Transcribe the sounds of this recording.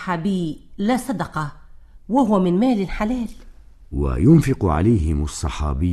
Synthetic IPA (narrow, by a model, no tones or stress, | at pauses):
ħaːbiːlaːsˤɑd̪ɑqɑwahʊwmɪnmaːlɪlħalaːl | wa̰jʊnfɪqʕa̰lajhɪmɑsˤːɑħɑ̰ːbɪ